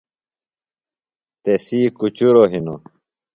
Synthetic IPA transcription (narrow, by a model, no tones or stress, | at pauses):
t̪esiːkut͡ɕuɾoɦino̰